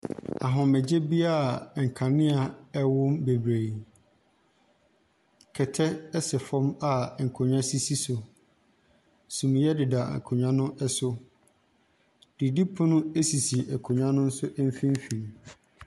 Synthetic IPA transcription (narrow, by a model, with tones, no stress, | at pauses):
a˨ɦʊ̃˨mɛ̃˨d͡ʑe˦bi˦a˦˨ŋ̩˨kʰã˨nɪ̃˦a˨ɛ˦wʊ˦mbe˨bɾe˨ | kʰɛ˨tʰɛ˦ɛ˦sɛ˨fɔ̃˦ma˨ŋ̩˨kʰʊ̃˨ɲᶣã˦si˦si˦sʊ˨ | sũ˨m˨˦jɛ˦dɪ˨da̰˨kʰʊ̃˨ɲᶣã˦nʊ̃˦ʔɛ˦sʊ˦ | d̥i˨di˦pʰʊ̃˦nʊ̃˦e˦si˨si˨ʔɛ˨kʰʊ˨ɲᶣã˦nʊ̃˦n̩˦sʊ˦ʔɛ˦m̩˦fĩ˦m˦fĩ˨m